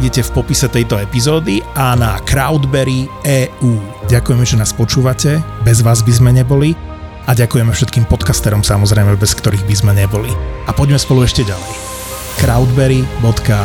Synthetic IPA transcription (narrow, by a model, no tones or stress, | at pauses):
ɟɛcɛfpɔpisɛt̪ɛjt̪ɔɛpizɔːd̪ianakɾaʊd̪bɛɾiɛːuː | ɟakujɛmɛʒɛnaːspɔt͡ʃuːʋacɛbɛzʋaːzbizmɛɲɛbɔli | aɟakujɛmɛfʃɛt̪kiːmpɔt̪kast̪ɛɾɔmsamɔzɾɛjmɛbɛskt̪ɔɾiːɣbizmɛɲɛbɔliapɔɟmɛspɔluɛʃcɛɟalɛj | kɾaʊd̪bɛɾibɔt̪ka